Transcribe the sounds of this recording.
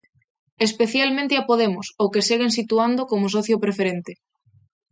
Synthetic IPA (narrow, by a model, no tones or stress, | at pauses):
espeθjalmẽnt̪ɪapoðemosokeseɣensit̪uand̪okomosɔθjopɾefeɾent̪e